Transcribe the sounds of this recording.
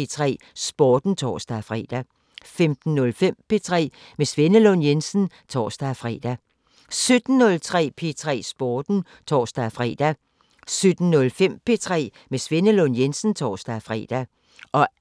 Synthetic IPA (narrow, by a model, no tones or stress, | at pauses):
t͡sʰʁɛ̰ːsb̥oːd̥n̩t͡sʰɒ̰ːsd̥æfʁɛ̰d̥æ | femd̥n̩ːɔlfem̰pe̝t͡sʰʁɛ̰ː | mesʋe̝nəlɔnjensn̩ | t͡sʰɒ̰ːsd̥æfʁɛ̰ːd̥æ | sød̥n̩ːɔlt͡sʰʁɛ̰ːpʰe̝t͡sʰʁɛ̰ːsb̥oːd̥n̩ | t͡sʰɒːsd̥æfʁɛ̰ːd̥æ | sød̥n̩nːɔ̽lfem̰pʰe̝t͡sʰʁɛ̰ː | mesʋe̝nəlɔnjensn̩t͡sʰɒːsd̥æfʁɛ̰ːd̥æ | ʔɒ̽